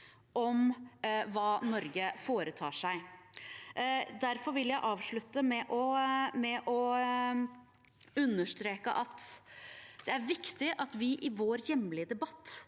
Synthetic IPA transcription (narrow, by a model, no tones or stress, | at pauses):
ʔɔm | ʋɑːnɔɾɡəfoːɾət̪ʰɑ̰ːʂæɪ | d̪æɾfɔɾʋɪljæɪʔɑːʋʂɭʉt̪ːəmɛʔɔmɛʔɔ | ʉnːəʂt̪ɾeːkə̰ʔɑt̪ | d̪̥ɛæɾʋɪkt̪ɪʔɑt̪ʋɪʔɪʋoːɾjɛmːlɪəd̪ɛbɑt̪ː